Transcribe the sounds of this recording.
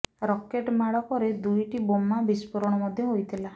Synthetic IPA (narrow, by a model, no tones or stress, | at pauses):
ɾɔkeʈmaɽɔkɔɾed̪ujʈibomabispuɾɔɽ̃ɔmɔd̪ʱjɔɦojt̪ʰila